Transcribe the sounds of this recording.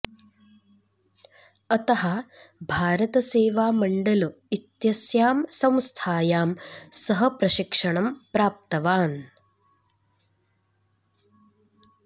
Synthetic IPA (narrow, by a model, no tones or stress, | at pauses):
ɐt̪ɐɦɐbʱaːɾɐt̪ɐseːʋaːmɐɳɖɐlu | it̪jɐsjaːmsɐ̃w̃st̪ʰaːjaːmsɐɦɐpɾɐʃikʂɐɳɐmpɾaːp̚t̪ɐʋaːn